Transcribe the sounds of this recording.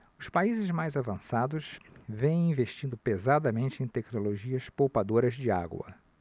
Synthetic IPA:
ʊspaizɪzmajzavɐ̃sad̪ʊʃvẽj̃ĩveʃt͡ʃĩnd̪ʊpezad̪ɐmẽnt͡ʃɪẽj̃t̪ɛknoloʒiɐspowpad̪oɾɐzd͡ʒɪa̰ɡwɐ̰

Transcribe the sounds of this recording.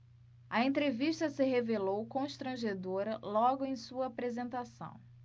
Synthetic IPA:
ɐẽnt̪ɾeviʃt̪ɐsɪɦevelowkõʃt̪ɾɐ̃ʒed̪oɾɐlɔɡʊẽj̃suɐːpɾezẽnt̪asɐ̰̃w̃

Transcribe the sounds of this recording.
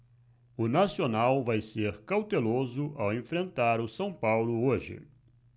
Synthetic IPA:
ʊnasionawvajseɾkawt̪elozʊʔawẽfɾẽnt̪aɾʊsɐ̃w̃pawlʊoʒɪ̰

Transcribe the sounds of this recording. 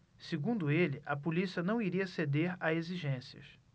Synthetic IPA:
seɡũd̪ʊelɪʔɐpolisiɐnɐ̃w̃iɾiɐsed̪eɾaeziʒẽsiɐ̰s

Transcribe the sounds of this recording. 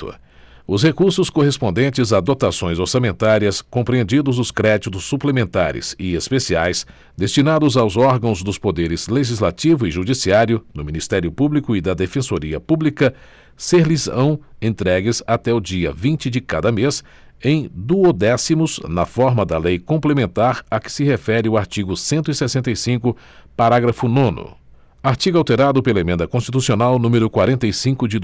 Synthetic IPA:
ʊsɦekuɾsʊskoɦespõnd̪ẽnt͡ʃɪzad̪ot̪asõj̃zoɾsamẽnt̪aɾiɐskõpɾiẽnd͡ʒid̪ʊzʊskɾɛd͡ʒit̪ʊsːuplemẽnt̪aɾɪ̰z̥ɪespesiajs | d̪est͡ʃinad̪ʊzawzɔɾɡɐ̃w̃zd̪ʊspod̪eɾɪz̥leʒizlat͡ʃivʊɪiʒud͡ʒisiaɾjʊd̪ʊmĩnist̪ɛɾjʊpublikʊid̪ɐd̪efẽsoɾiɐpublikɐ | seɾlizɐ̃w̃ẽnt̪ɾɛɡɪzat̪ɛʊd͡ʒiɐ̰vĩt͡ʃɪd͡ʒɪkad̪ɐmes | ẽj̃d̪uod̪ɛsimʊznɐfɔɾmɐd̪ɐlejkõmplemẽnt̪aɾɐkɪ̥sɪhefɛɾɪʊaɾt͡ʃiɡʊsẽnt̪ʊisesẽnt̪ɐjsĩkʊ | paɾaɡɾɐfʊnõnʊ̰ | aɾt͡ʃiɡʊawt̪eɾad̪ʊpelɐemẽnd̪ɐkõst͡ʃit̪usionawnũmeɾʊkwaɾẽnt̪ejsĩkʊd͡ʒɪd̪

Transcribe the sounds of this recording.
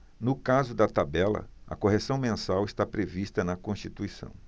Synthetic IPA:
nʊkazʊd̪ɐt̪abɛlɐ̰ɐ̰koɦesɐ̃w̃mẽsawɪst̪apɾevist̪ɐnɐkõst͡ʃit̪uisɐ̰̃w̃

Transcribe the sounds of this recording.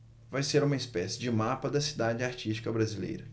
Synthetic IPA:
vajseɾũmɐispɛsɪd͡ʒɪmapɐd̪ɐsid̪ad͡ʒɪaɾt͡ʃisʃt͡ʃi̥kɐbɾazilḛjɾɐ

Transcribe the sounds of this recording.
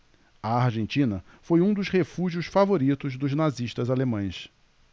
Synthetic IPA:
ɐaɾʒẽnt͡ʃĩnɐ | fojũd̪ʊʃhefuʒiʊsfavoɾit̪ʊzd̪ʊznaziʃt̪ɐzalemɐ̃j̃s

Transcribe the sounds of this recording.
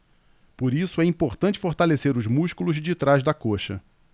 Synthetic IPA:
poɾisʊɛĩpoɾt̪ɐ̃t͡ʃɪ̥foɾt̪aleseɾʊzmuʃkulʊzd͡ʒit̪ɾaʒd̪ɐkoʃɐ̰

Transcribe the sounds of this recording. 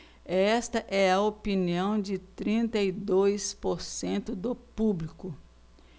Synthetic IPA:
ɛst̪ɐʔɛɐopiniɐ̃w̃d͡ʒɪt̪ɾĩnt̪ɐid̪ojspoɾsẽnt̪ʊd̪ʊpublikʊ

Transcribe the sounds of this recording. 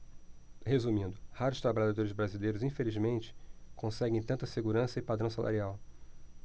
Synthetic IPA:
hezumĩnd̪ʊhaɾʊst̪ɾabaʎad̪oɾɪzbɾazilejɾʊzĩfelizmẽnt͡ʃɪ̥kõsɛɡẽj̃t̪ɐ̃nt̪ɐseɡuɾɐ̃sɐɪpad̪ɾɐ̃w̃salʔa̰ɾiaw

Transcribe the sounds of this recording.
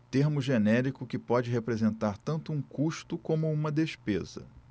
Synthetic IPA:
t̪eɾmʊʒenɛɾikʊkɪpɔd͡ʒɪɦepɾezẽnt̪aɾt̪ɐ̃nt̪ʊũkuʃt̪ʊkõmʊũmɐd̪eʃpezɐ̰

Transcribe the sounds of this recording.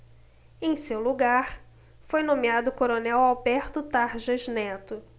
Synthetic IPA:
ẽj̃sewluɡaɾ | fojnõmiad̪ʊkoɾonɛwawbɛɾt̪ʊt̪aɾʒɐznɛt̪ʊ

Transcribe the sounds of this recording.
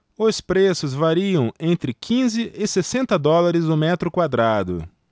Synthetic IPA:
ʊspɾesʊzvaɾiɐ̃w̃ẽnt̪ɾɪkʰĩzɪɪsesẽnt̪ɐd̪ɔlaɾɪzd̪ʊmɛt̪ɾʊkwad̪ɾad̪ʊ̰

